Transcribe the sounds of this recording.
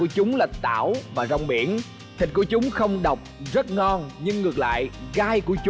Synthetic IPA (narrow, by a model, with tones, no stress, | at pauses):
u˧˩ət͡ɕʊ˨˦ŋ͡mlaː˨˩t̪a̰ː˧˩wvaː˨˩zɔ˧˩wŋ͡mɓi˧˩ən | t̪ʰi̟˨˩ku˧˩ət͡ɕʊ˨˦ŋ͡mxə˧wŋ͡mɗə˨˩wk͡p̚zə˦˥t̚ŋɔ˧nɲɨ˧ŋːɨ˨˩ək̚la̰ː˧˨jɣaː˧jku˧˩ət͡ɕ